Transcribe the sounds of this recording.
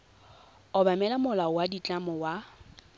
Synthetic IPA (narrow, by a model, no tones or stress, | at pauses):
ʊbamɛlamʊlaɔwadit͡ɬʼamɔwa